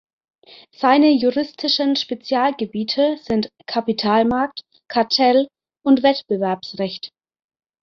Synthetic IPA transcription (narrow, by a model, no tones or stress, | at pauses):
z̥aɪnəjuʁɪstʰɪʃənʃpet͡sjaːlɡəbiːtʰəz̥ɪntkʰapitʰaːlmaɐk̚t | kʰaɐtʰɛl | ʔʊntv̥ɛtb̥əvɛɐpsʁɛçt